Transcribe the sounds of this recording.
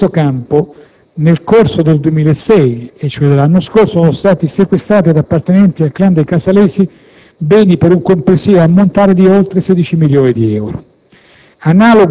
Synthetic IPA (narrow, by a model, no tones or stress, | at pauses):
okampo | nelkorsod̪eld̪uemiːlaesːɛjet͡ʃːoɛd̪elanːoskorsosɔnost̪aːt̪isekwest̪ɾaːt̪̬id̪apːart̪enɛnt̪ialkland̪ejkasalɛːsi | bɛːnipeɾuŋkompɾesiːoamːont̪aːɾed̪iolt̪ɾesɛd̪it͡ʃimiljoːnid̪iɛwɾo̰ | anaːloɡ